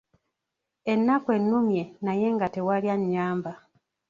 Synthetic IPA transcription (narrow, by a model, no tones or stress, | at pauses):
e̞nːakwe̞nːumje̞naje̞ŋɡate̞waljaɲːaːmba